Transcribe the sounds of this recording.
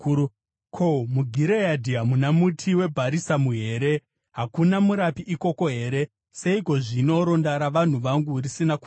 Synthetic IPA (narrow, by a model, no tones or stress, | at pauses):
kʰo̞muɡʱiɾejadʱiamunamutʰiwe̞bʱaɾisamuɦe̞ːɾe̞ | ɦakunamuɾapiʔiko̞ko̞ɦe̞ɾe̞ | se̞iko̞ʐino̞ɾo̞ndaɾaʋan̤uʋaŋɡurisinaku